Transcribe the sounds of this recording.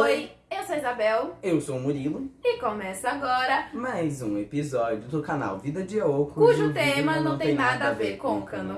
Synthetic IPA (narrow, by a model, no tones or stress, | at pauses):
ojewsoizabɛwewsoũmuɾilʊɪkomɛsaɡɔɾɐmajzũepizɔd͡ʒʊd̪okana̰wvid̪ɐd͡ʒiɐowkukuʒʊvt̪ẽmɐnɐ̃w̃t̪ẽj̃nad̪ɐaveɾkõkɐ̃nu